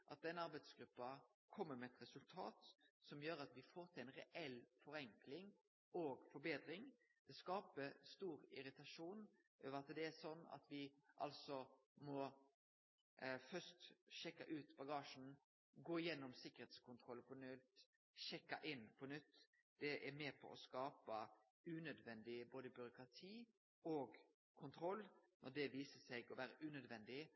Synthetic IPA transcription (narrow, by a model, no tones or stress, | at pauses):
ʔɑt̪̚d̪ɛnɑɾbɛɪd̪sɡɾʉpːɑ | kʰɔmːəɾmɛɛt̪ɾɛsʉlt̪ʰɑ̰ːt̪sɔmjøːɾɑt̪ʋɪfoːɾt̪ʰɪlɛɪnɾɛʔɛlːfɔɾɛŋklɪŋ | oɡfɔɾbeːd̪ɾɪŋ | d̪̥ɛskɑːpəst̪uːɾɪ̰ɾɪt̪ɑʂuːn | ʔøːʋəɾɑt̪d̪ɛæsɔnːɑ̰t̪ʋɪʔɑ̰lsɔmɔ | fœst̪ʃɛkːɑ̰ʔʉːt̪bɑɡɑːʂn̩ | ɡoːɪjɛnːɔmsɪkːəɾhɛːt̪skʰʊnt̪ʰɾɔlːpʰɔnʉt̪ː | ʃɛkːɑʔɪnːpʰɔnʏt̪ː | d̪̥ɛʔɛɾmeːpʰɔ̰ʔɔskɑːpə | ʉːnœd̪ʋɛnd̪ɪboːd̪əbʏɾʊkɾɑt̪ʰiː | ɔːɡ | kʰʊnt̪ʰɾɔlːnʔɔd̪ɛʋiːsəsɛɡɔʋæːɾəʔʉːnœd̪ʋɛnd̪ɪ